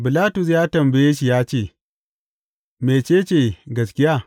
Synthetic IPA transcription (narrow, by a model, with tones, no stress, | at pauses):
bɪ˨laː˦tʊ˨s̬jaː˦tɐ˨mbɐ˨jeː˦ʃi˨jaː˦t͡ʃeː˦˨ | meː˨t͡ʃeː˦˨t͡ʃeː˦˨ɡɐ˨skʲɪ˦jaː˦